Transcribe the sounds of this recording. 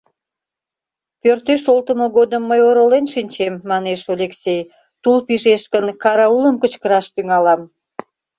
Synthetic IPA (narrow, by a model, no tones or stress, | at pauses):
pørt̪øʃolt̪əmoɣod̪əmːəjoɾolenʃinʲt͡ɕemːɑneʃolʲeksʲej | t̪ulpiʒeʃkənkɑɾɑuləmkət͡ɕkəɾɑʃt̪yŋɑlɑm